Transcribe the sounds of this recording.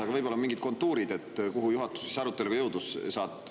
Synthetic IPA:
ɑɡɑvɤjbolɑonmiŋɡid̪̚ko̞nt̪ːˑuːɾid̪e̞t̪ːkuɦujuɦɑt̪ːˑu̥sːi̥sɑɾut̪ːˑe̞lukjɤwd̪ussɑːt̪ːˑ

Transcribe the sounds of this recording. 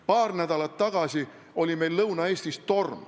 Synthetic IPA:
pɑːrnæd̪̥ɑlɑt̪ːɑɡ̥ɑsi | o̞lʲime̞jlːɤwnɑe̞ːsʲt̪ist̪o̞rm

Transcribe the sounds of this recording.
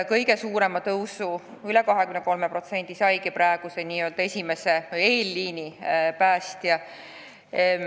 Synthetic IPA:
kɤjɡe̞suːɾe̞mɑt̪ɤwsu | ylɛkɑɦe̞kymneko̞lmepro̞t̪se̞nʲd̪̥isɑjɡipɾæːɡ̥useniːø̞ld̪ɑe̞sʲime̞se̞eːlːiːnipæːst̪jɑ

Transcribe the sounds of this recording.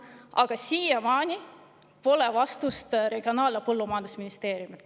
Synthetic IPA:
ɑɡ̥ɑsiːjɑmɑːnʲi | po̞lɛvɑst̪ust̪ɾe̞ɡ̥io̞nɑːlepɤlːumɑjɑnd̪usminist̪e̞ːɾjumi

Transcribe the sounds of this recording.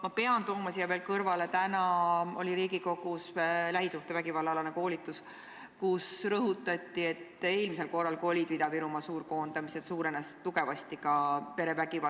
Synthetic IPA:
mɑpe̞ɑnt̪oːmɑsijɑve̞ːlkɤrvɑle̞t̪ænɑo̞̰lʲiɾiːɡiko̞ɡ̥uslæɦisuht̪evæɡ̥ivɑlːɑlɑneko̞ːlit̪ːˑus | kusrɤɦut̪ˑːɑt̪ʲːˑie̞t̪ːˑe̞ːlmise̞lko̞rːɑlko̞lʲid̪̥vid̪ɑviɾumɑsuːɾko̞ːnd̪ɑmised̪̥suːɾenest̪ːuɡe̞vɑst̪ikɑpe̞ɾe̞væɡ̥ivɑ

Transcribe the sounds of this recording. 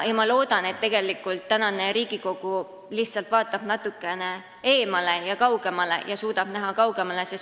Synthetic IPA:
jɑmɑlo̞ːd̪̥ɑne̞t̪ːe̞ɡ̥e̞likːˑult̪ːænɑne̞ɾiːɡ̥iko̞ɡ̥u | liçt̪sɑlt̪ˑvɑːt̪ˑːɑb̥nɑt̪ːˑukːˑe̞ne | e̞ːmɑle̞jɑkɑwɡ̥e̞mɑle̞̰jɑsuːd̪ɑb̥næɦɑkɑwɡ̥e̞mɑle̞ses

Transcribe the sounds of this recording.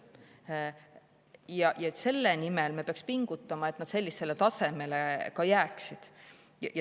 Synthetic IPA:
jɑjɑse̞lːenimelmepeɑkspiŋɡ̥ut̪ːˑɑmɑet̪nɑd̪̥se̞lːise̞let̪ɑse̞me̞lekɑjæːksid̪̥ | jɑjɑ

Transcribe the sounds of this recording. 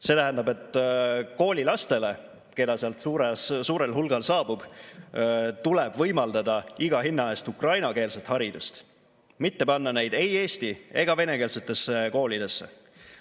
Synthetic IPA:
se̞t̪æɦænd̪ɑbe̞t̪ːˑko̞ːlʲilɑst̪e̞le̞ | ke̞d̪ɑseɑlt̪suːɾessuːɾe̞lɦulɡ̥ɑlsɑːb̥ub̥ | t̪uleb̥vɤjmɑld̪ɑd̪ɑiɡ̥ɑɦinːɑe̞ːst̪ukrɑjnɑke̞ːlset̪ˑhɑɾid̪̥ust̪ | mit̪ːe̞pɑnːɑne̞jd̪̥e̞je̞ːst̪ie̞̰ɡ̥ɑve̞ne̞ke̞ːlse̞t̪ːˑe̞sːeko̞ːlʲid̪̥e̞sːe̞̰

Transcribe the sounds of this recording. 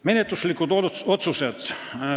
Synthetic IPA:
menet̪ːuslikut̪oot̪suset̪

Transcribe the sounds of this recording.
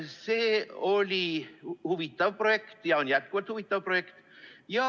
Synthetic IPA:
seːolʲihuʋit̪ːˑɑvprojekt̪jɑonjæt̪̚kuʋɑlt̪huʋit̪ːˑɑvprojekt̪jɑ

